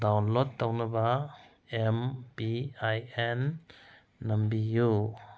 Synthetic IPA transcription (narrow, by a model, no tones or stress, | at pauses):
dawnlɔtːawnɐba | empiajenː | ɐmbiju